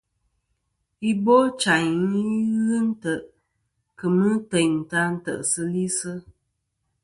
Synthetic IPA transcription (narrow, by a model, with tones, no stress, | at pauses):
i˦bo˦t͡ʃa˨ɲ˨˦i˦ɣɨ˦n̩˦tə˨ʔ | kɨ˨mɨ˦tə˨ɲ˨ta˦n̩˦tə̰˨ʔsɨ˦li˦sɨ˦